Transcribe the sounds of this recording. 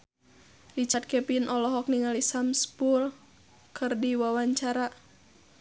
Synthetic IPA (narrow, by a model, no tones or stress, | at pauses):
lit͡ʃat̪̚kɛpinʔɔlɔɦɔk̚niŋalisamspul | kɨrdiwawaɲt͡ʃaɾa